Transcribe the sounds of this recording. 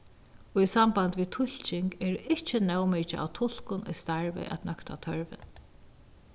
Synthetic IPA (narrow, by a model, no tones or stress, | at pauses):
ɔisambant̪ʋiːt̪ʰʊl̥t͡ʃɪŋkɛːɹɪt͡ʃɪnɛwmɛt͡ʃɪʔa̰wt̪ʰʊl̥kʊnʔɔ̰jst̪aɹvɛ̰ʔa̰t̪nœkt̪at̪ʰœɹʋɪ̰n